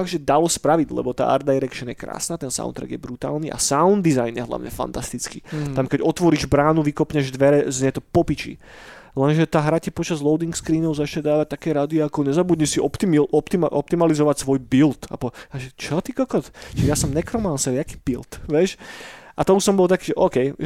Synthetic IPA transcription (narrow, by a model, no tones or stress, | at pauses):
aɡʒɛd̪alɔspɾaʋiɟlɛ̰bɔt̪a̰ːʔa̰ɾd̪ajɾɛkʃɔnjɛkɾa̰ːsnat̪ɛnsa̰ʊ̰nt̪ɾa̰ɡjɛbɾut̪a̰ːlˠniʔa̰saund̪ːizajnjɛɦla̰ʊɲɛ̰fa̰nt̪ast̪it͡skit̪amkɛɟɔt̪ʋɔɾiːʒbɾaːnuʋikɔpɲɛʒd̪ʋɛɾɛzɲɛt̪ɔpɔpit͡ʃḭ | lɛnʒɛt̪aːɦɾacipɔt͡ʃazlˠɔʊd̪iŋkskɾiːnɔʊzat͡ʃɲɛd̪aːʋac̚t̪akɛːɾad̪iɔakɔɲɛzabud̪ɲisiɔpt̪imɔpt̪imʔɔp̚t̪imalizɔʋacsʋɔjbilt̪a̰pɔaʒɛt͡ʃɔt̪ikɔkɔt̪t͡ʃɛjasɔmnɛkɾɔmansɛɾaki̥ːb̥ilt̪ʋɛʃʔat̪ɔusɔmbɔlˠt̪akiːʒɛʔɔːkɛj